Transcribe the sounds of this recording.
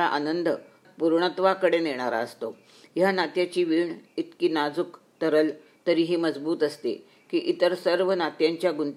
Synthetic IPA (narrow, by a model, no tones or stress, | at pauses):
aʔa̰nənd̪ʱ | puɾɳət̪ʋakəɽeneɽ̃aɾa̰əst̪o | janat̪jat͡ɕiːʋiːɳit̪kiːnad͡zuk | t̪əɾəl | t̪əɾiːɦiːməd͡zbuːt̪əst̪ḛ | kiːʔit̪əɾsəɾʋənat̪jaɲt͡ɕjaɡunt̪